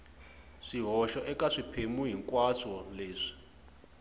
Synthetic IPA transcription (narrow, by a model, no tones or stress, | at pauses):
ʂiɦɔʃɔʔɛkʼaʂipʰemuɦiŋkʼwasɔleːʂi̥